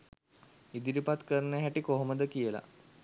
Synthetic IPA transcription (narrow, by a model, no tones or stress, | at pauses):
id̪iɾipat̪kəɾənəɦæʈikoɦoməd̪əkijəla̰